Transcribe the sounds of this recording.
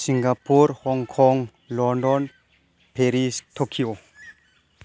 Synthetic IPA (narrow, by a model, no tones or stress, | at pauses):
siŋɡapuɾhɔŋkʰɔŋ | lɔndɔn | pʰeɾistʰokʰio